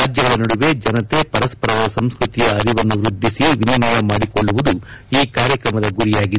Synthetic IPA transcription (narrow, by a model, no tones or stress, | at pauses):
aːd͡ʒjɐɡɐɭɐnɐɽuʋe̞d͡ʒɐnɐt̪epɐɾɐspɐɾad̪ɐsɐmskɾut̪ijɐːɾiʋɐnːuʋɾud̪ʱːisiʋinɐnɐjɐmaːɽikɔɭːuʋud̪uiːkaːɾjɐkɾɐmɐd̪ɐɡuɾijaːɡi